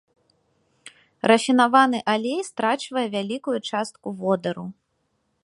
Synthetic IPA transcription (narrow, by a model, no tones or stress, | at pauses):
rɐfʲinavanɨʔalʲejst̪ɾat͡ʂvɐjɛvʲalʲikujut͡ʂast̪kuvɔd̪ɐɾu